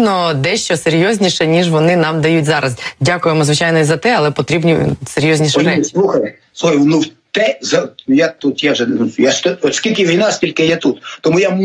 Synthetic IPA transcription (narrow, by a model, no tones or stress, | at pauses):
nɔd̪ɛʃt͡ʃɔseɾʲjɔzʲnʲiʃɛnʲiʒʋɔnɪnɑmd̪ɐjutʲzɑɾɐzdʲakʊjemɔzʋɪt͡ʃajnɔizɐt̪ɛɐlˠɛpɔt̪ɾʲibnʲiseɾʲjɔzʲnʲiʃɛɾɛslˠuxɐj | sˠuxjnuwt̪ɛzɐjat̪ut̪jaʒɛnujaʃt̪ɔɔt̪skʲilʲkɪʋʲijnɑsʲtʲilʲkɪjɛt̪ut̪t̪ɔmuja